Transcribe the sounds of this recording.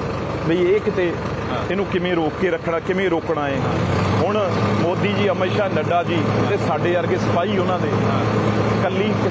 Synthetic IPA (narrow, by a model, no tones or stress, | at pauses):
bəiːeːkt̪eː | t̪ɪnũːkɪmẽːɾoːkːeːɾəkʰːɽaːkɪmẽːɾoːkɽaːeːɦʊɳmoːd̪iːd͡ʒiːəmeːʃaːnəɖaːd͡ʒiːt̪eːsaːɖeːəɾɡeːsəpaːiːonãːd̪eː | kəlːiːk